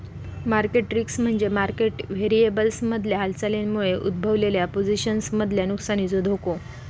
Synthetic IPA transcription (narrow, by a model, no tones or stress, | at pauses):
maɾkeʈɾiksm̤əɳd͡zemaɾkeʈʋeɾiebəlsməd̪ʱljaɦalt͡salenmuɭeʔṵd̪̚bʱəʋleljapod͡ziɕənsməd̪ʱljanuksañiːd͡zod̪ʱoko